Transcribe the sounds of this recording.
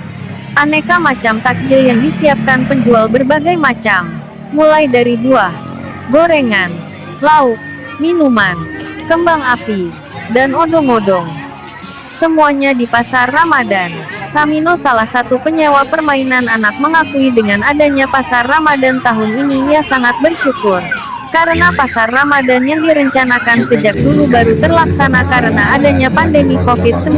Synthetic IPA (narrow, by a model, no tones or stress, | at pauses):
ʔanekamat͡ʃamt̪ak̚d͡ʒɪljaŋdisiap̚kanpəɲd͡ʒualbərbaɡajmat͡ʃamː | ulajdaɾiduah | ɡoɾeŋan | laʊk̚ | minumankəmbaŋapi | danɔdɔŋɔdɔŋ | səmuaɲadipasarːamadansaminosalahsat̪upəɲawapərmainananak̚məŋakuidəŋanadaɲapasarːamadant̪aɦʊninijasaŋat̪̚bərʃukʊr | kaɾənapasarːamadanjaŋdiɾəɲt͡ʃanakansəd͡ʒak̚dulubaɾut̪ərlaksanakaɾənaːdaɲapandəmikofɪt̪̚səm